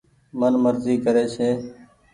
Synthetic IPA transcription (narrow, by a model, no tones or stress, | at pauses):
mənməɾziːkəɾeːseː